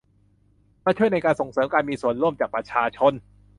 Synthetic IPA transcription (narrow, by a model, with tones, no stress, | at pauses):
maː˥˩t͡ɕʰu˥˩əjna˧jkaː˧nso˨˩ŋsɤː˩˦mkaː˧nmiː˧su˨˩ənɾu˥˩əmt͡ɕaː˨˩k̚pɾa˧t͡ɕʰaː˧t͡ɕʰo˧n